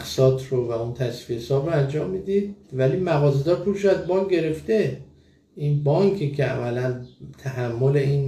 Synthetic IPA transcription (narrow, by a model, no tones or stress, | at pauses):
xsɒːt̪ʰɾovæunt̪ʰæsviesɒːbɾoænd͡ʒɒːmːiːd̪id̪̚væliːmæɣɒːzed̪ɒːɾpʰulʃoæzbɒŋ̚ɟe̞ɾe̞ft̪e̞ | ʔinbɒŋkʰikʰeæ̰vælænt̪ʰæɦæmːole̞iːn